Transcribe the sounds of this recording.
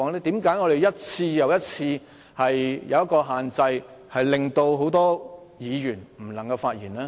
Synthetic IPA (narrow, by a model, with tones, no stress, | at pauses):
ɔː˧˥ŋlɛː˥t̪iː˨˥mkaː˨˥jŋɔ˨˧ɾe˨jɐ˥t̚t͡sʰiː˧jɐ˨wjɐ˥t̚t͡sʰiː˧ | hɐ˨jjɐ˨˧wjɐ˥tkɔː˧ɦaː˨˩nt͡sɐ˧jhɐ˨jlɪ˧ŋt̪o˧wɦo˨˥wt̪ɔː˥jiː˨˧jyː˨˩nm̩˨˩lɐ˨˩ŋkɐ˧wfaː˧t̚jiː˨˩nlɛː˥